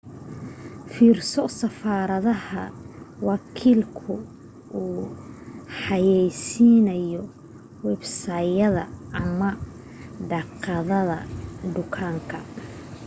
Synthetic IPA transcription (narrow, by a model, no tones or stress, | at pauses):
fiːrsɔsɐfaːɾɐðɐhɐ̰wɑkʰiːlkʰʊ | ʔuː | ħɑjɛjsiːnɐjɔ | wɛbsaːjɐðɐ̰ɐmɐ | ɖɑqɑðɐðɐ̰ɖʊkʰaːŋkʰɐ